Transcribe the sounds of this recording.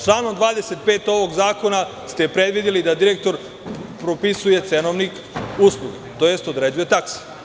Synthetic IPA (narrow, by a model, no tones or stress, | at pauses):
t͡ʃlˠaːno̞md̪ʋaːd̪e̞set̪̚peːt̪o̞ʋo̞ɡzaːko̞nast̪epɾe̞d̪ʋid̪ilid̪ad̪iɾek̚t̪o̞ɾ | pɾopisuje̞t̪senoʋnik | uslˠuɡit̪o̞je̞st̪od̪ɾe̞ːd͡ʒuje̞t̪aksi̥